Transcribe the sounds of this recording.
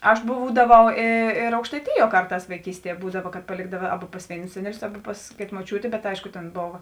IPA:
ɐʃ ˈbuːdɐʋɐʊ eː eːr ɐʊkʃtɐɪˈtʲɪjuɔ ˈkɐrˌtɑːs ʋɐɪˈkʲiːsʲtʲiɛ ˈbuːdɐʋɐ kɐt pɐˈlʲeːɡdɐʋɐ ˈɑːbɐ pɐs ˈʋʲeːɪnʊs ˈsʲæːnʲɛˌlʲʊs ˈɑːbɐ pɐs ˈkʲeːtɐ moːˈt͡ʃʲuːtʲeː bʲɛt ˈɐɪʃkʊ tʲeːn ˈboːʋɐ

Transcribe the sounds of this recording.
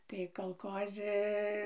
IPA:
tɐɪ kɐlˠˈkoːzʲɪ

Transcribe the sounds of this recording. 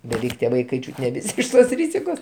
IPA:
bʲɛˈʋʲɛɪk tʲiɛ ˈʋɐɪkɐɪ ˈt͡ʃʲuːtʲ nʲɛ ˈʋʲɪsʲɪ ˈɪʃ toːs ˈrʲiːzʲɪkoːs

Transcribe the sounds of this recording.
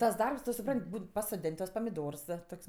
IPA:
ˈtɐs ˈdɐrps ˈtʊ sʊˈprɐnʲtʲ ˈbuːn pɐsoːˈdʲeːnʲ tuɔs pɐmʲɪˈdoːrs ˈtoːkʲsʲ

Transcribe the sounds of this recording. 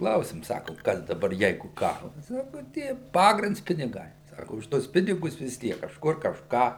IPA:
ˈklˠɐʊsʲɪm ˈsɑːkʊm ˈkɐs dɐˈbɐr ˈjɛɪɡʊ ˈkɑːrɐs ˈsɑːkʊ ˈtʲiɛ ˈpɑːɡrʲɪnts pʲɪnʲɪˈɡɐɪ ˈsɑːkʊ ʊʃ ˈtuɔs ˈpʲɪnʲɪɡʊs ʋʲɪs ˈtʲiɛk kɐʃˈkʊr kɐʃˈkɑː

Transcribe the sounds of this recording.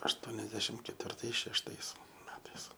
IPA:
ɐʃˈtuɔnʲɛzʲdʲɛʃʲɪm kʲɛtʲʋʲɪrˈtɐɪs ʃʲɛʃˈtɐɪs ˈmʲæːtɐɪs

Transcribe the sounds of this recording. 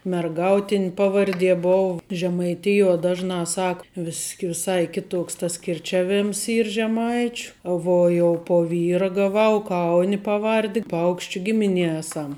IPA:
mʲɛrˈɡɐʊtʲɪnʲ ˈpɑːʋɐrʲˌdʲiɛ ˈboːw ʒʲɛmɐɪˈtʲɪjuɔ ˈdɑːʒˌnɑː ˈsɐk ʋʲɪsʲ ʋʲɪˈsɐɪ ˈkʲɪˌtoːks tɐs kʲɪrʲˈt͡ʃʲæːˌʋʲeːms ˈiːr ʒʲɛˈmɐɪt͡ʃʲʊ ˈʋuɔ jɛʊ poː ˈʋʲiːrɐ ɡɐˈʋɐʊ ˈkɐʊnʲɪ pɐˈʋɐrʲdʲɪ ˈpɐʊkʃʲt͡ʃʲʊ ˈɡʲɪmʲɪˌnʲiɛ ˈeːsɐm

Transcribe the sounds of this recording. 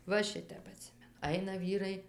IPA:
ʋɐ ˈʃʲɪtʲɛp ɐˈtʲsʲɪmʲɛnʊ ˈɐɪnɐ ˈʋʲiːrɐɪ

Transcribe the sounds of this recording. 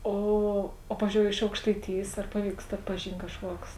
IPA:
ˈoː oː ˈpɑːʋʲɪzʲd͡ʒʲoːʊ ɪʃ ɐʊkʃtɐɪˈtʲɪjeːs ɐr ˈpɑːˌʋʲiːkst ɐtpɐˈʒʲiːnʲtʲ kɐʃˈkuɔks

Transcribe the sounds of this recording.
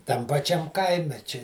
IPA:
tɐm pɐˈt͡ʃʲɛm ˈkɐɪmʲɛ t͡ʃʲɪ

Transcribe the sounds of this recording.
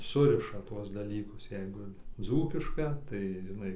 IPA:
ˈsʊrʲɪʃɐ ˈtuɔs dɐˈlʲiːkʊs ˈjɛɪɡʊ ˈd͡zuːkʲɪʃkɐ tɐɪ ʒʲɪˈnɐɪ

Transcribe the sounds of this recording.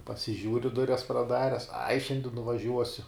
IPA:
pɐsʲɪˈʒʲuːrʲɪ ˈdʊrʲɛs prɐˈdɑːrʲɛs ɐɪ ˈʃʲɛnʲdʲɪ nʊʋɐˈʒʲuɔsʲʊ

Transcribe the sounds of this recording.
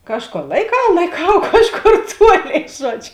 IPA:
ˈkɑːʃˌkoːr lˠɐɪˈkɐʊ lˠɐɪˈkɐʊ ˈkɑːʃˌkoːr ˈtuɔˌlʲeːɪ ˈʒuɔt͡ʃʲ

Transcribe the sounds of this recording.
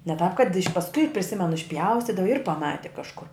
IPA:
nʲɛ tɑːp kɐt ɪʃʲ pɐsˈkʊɪ pʲrʲɪˈsʲɪmʲɛnʊ ɪʃʲˈpʲjɛʊsʲtʲiːdɐʋɐ ɪr pɐˈmɑːtʲɪ kɐʃˈkʊr

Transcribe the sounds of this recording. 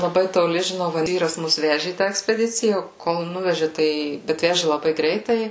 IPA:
lˠɐˈbɐɪ toːˈlʲɪ ʒʲɪˈnɐʊ ʋɐ ˈʋʲiːrɐs ˈmʊs ˈʋʲæːʒʲɪ iː tɑː ɛksʲpʲɛˈdʲɪt͡sʲɪjɛ koːlˠ ˈnʊʋʲɛʒʲɪ ˈtɐɪ ˈbʲɛt ˈʋʲæːʒʲɪ lˠɐˈbɐɪ ˈɡrʲɛɪtɐɪ

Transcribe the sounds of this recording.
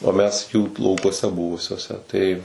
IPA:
oː ˈmʲɛs juː lˠɐʊkuɔˈsʲɛ ˈbʊʋʊsʲuɔsʲɛ tɐɪ

